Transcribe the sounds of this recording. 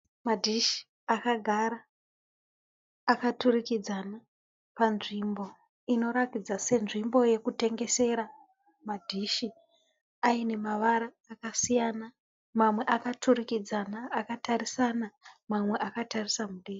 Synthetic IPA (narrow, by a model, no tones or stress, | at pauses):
madʱiʃi̥ | akaɡʱaɾa | katurikid͡zana | panʐimbo̞ | ino̞ɾakid͡zase̞nʐimbo̞je̞kute̞ŋɡe̞se̞ɾa | madʱiʃi | aine̞maʋaɾaːkasijana | mamwe̞ʔakatuɾikid͡zanaːkatarisanamamwe̞ʔakatarisamuɗeːri